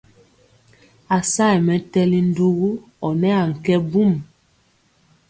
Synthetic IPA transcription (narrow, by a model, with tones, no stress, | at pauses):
a˨sa˦˨jmɛ˨˦tɛ˦li˦n̩˦du˦ɣu˦ | ɔ˨nɛ˦a˨ŋ̩˨kɛ˦bu˦˨m